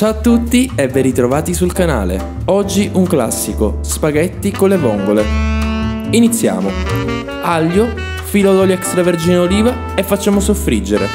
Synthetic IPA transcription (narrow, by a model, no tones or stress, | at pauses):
t͡ʃat̪ːut̪ːiɛvːeɾit̪ɾovaːt̪isulkana̰ːlḛ | ɔd͡ʒːiʔuŋkla̰sːikospaɡɛt̪ːikonlevɔŋɡole | init̪sːja̰ːmo | aljo | filɔlolɛkst̪ɾaverd͡ʒiːneoliːva | efːat͡ʃːaːmosofːɾid͡ʒːeɾḛ